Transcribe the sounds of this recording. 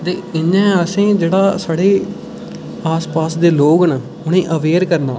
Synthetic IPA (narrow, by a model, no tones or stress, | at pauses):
t̪eːɪɲɛ̃ːəsĩːd͡ʒeːɽaːsaːɽeː | aːspaːsd̪eːloːɡnə | ʊnẽːʔəʋeːɾkəɾna̰ː